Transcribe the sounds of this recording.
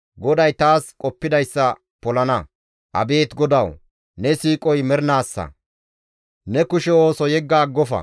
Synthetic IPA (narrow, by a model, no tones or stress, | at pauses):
ɡɔd̪ɐjt̪aːskʼɔpːɪd̪ɐjsːɐ | pɔlɐnɐ | ʔɐ̰be̞ːt̪ɡɔd̪ɐw | nɛsiːkʼɔjmɛɾnaːsːɐ̰ | nɛkʊʃɛo̞ːsɔjɛɡːaːɡːɔfɐ̰